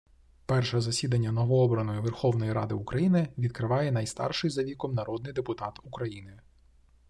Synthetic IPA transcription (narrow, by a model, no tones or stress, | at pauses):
pɛrʃɛzɐsʲid̪ɐnʲːɐnɔʋɔɔbɾɐnɔjʊʋɛrxɔwnɔjiɾɑd̪ɪʊkɾɐjinɪʋʲid̪̚kɾɪʋɑjɛn̪ɐjst̪ɑ̰rʃɪjzɐʋʲikɔmnɐɾɔd̪nɪjd̪epʊt̪ɑt̪ukɾɐjinɪ